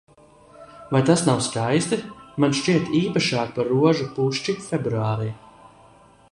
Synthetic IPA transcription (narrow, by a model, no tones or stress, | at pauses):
vajt̪asnawskajst̪imanʃt͡ʃiɛt̪iːpaʃaːkpaɾuɔʒupuʃt͡ʃifʲebɾuaːɾiː